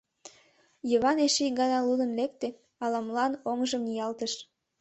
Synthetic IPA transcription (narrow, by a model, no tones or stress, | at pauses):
jəβɑneʃiɡɑnɑlud̪ə̆nlek̚t̪e | ɑlɑmlɑnoŋʒəmnijɑlt̪əʃ